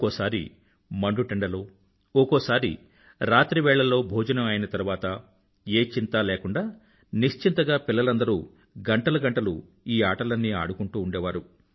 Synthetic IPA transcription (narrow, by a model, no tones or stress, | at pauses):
kosaːɾḭ | mɐɳɖuʈeɳɖɐloː | ɔkoːsaːɾḭ | ɾaːt̪ɾiʋɛːɭːɐlo̞ːbʱoːd͡ʒɐnɐmɐjinɐt̪ɐɾuʋaːt̪ɐ | eːt͡ʃint̪aːleːkuɳɖaː | niʂt͡ʃint̪ɐɡaːpilːɐlɐnd̪ɐɾuː | ɡɐɳʈɐlɐɡɐɳʈɐlṵ | iːaːʈɐlɐnːia̰ːɽukuɳʈuːɳɖɛːʋaːɾu